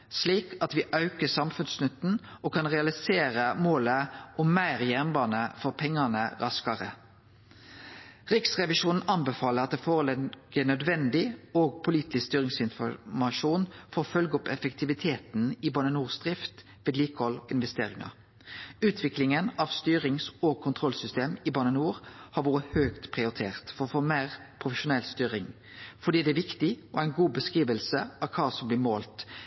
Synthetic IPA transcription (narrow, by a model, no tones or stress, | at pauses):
sliːkʰɑt̪ʋiːʔɑʉkəsɑmfʉnsnʏt̪n̩okʰɑnʁɛɑlɪseːɾəmoːləʊmːæɪʁjɛʁnbɑːnəfɔʁpʰɛŋːɑnəʁɑskɑʁə | ʁɪksʁɛʋɪʃuːnn̩ɑnbɛfɑːləʁɑt̪̚d̪ɛːfoːʁəlɛɡ̥ənœd̪ʋɛnd̪ɪoːɡpʰʊliːt̪ɪst̪yːʁɪŋsɪnfɔmɑʃuːnfɔʁfœlɡɔpɛfɛkt̪ʰɪʋɪt̪ʰeːt̪n̩ɪbɑnənuːʁsd̪ʁɪft̪ | ʋeːd̪liːkəhɔlɪnʋɛst̪eːʁɪŋɑ̰ | ʉːt̪ʰʋɪklɪŋənɑʋst̪yːʁɪŋsɔɡkʰʊnt̪ʰʁɔlsʏst̪eːmɪbɑnənuːʁhɑɾʋuːɾəhøːɡt̪pʰʁɪʊɾt̪ʰeːʁt̪fɔʁɔfoːmæːʁpʰʁʊfəʃʊnɛlst̪yːɾɪŋ | fɔɾd̪iːd̪ɛæʋɪkt̪ɪɔ̰æɪnɡuːbəskʁiːʋəlsəɑʋkʰɑːsɔmblɪːmoːlt̪